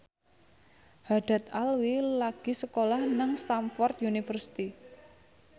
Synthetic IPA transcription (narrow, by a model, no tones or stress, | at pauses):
haɖ̥a̤t̪alwilaɡ̥i̤səkolahnaŋst̪amfɔrt̪junifərsi̥t̪i